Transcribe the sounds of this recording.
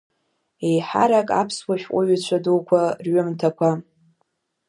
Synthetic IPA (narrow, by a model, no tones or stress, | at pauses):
ejħaɾakʼa̰pʰswaʃᶣʔʷʼʊɥat͡ɕʷʰadukʷʰarɥʊmtʰakʷʰa